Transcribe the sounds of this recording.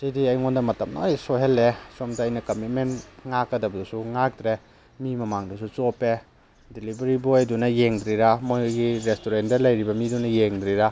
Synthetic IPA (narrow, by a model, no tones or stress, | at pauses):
sidiɐjŋondɐmɐtɐmnaojsoɦelːesomdaɐjnɐkɐmit̚menŋakːɐdɐbɐdusuŋak̚d̪ɾe | mimɐmaŋdɐsut͡ʃope | dilibɐɾibodunɐjeŋdɾiɾamojjɡiɾestoɾentdɐlɐjɾibɐmidunɐjeŋdɾiɾa